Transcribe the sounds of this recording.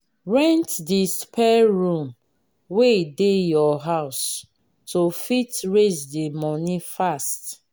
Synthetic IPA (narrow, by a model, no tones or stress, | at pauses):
ɹɛ̃ntdispʰɛɹũm | wedejɔɦaʊs | tofitɹesdimɔnifast